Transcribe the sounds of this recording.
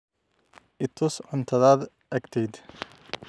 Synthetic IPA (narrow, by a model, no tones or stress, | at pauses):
ʔɪt̪ʰʊːsʕʊnt̪ʰɐðaːd̪ | ʔɐkt̪ʰɛjd̪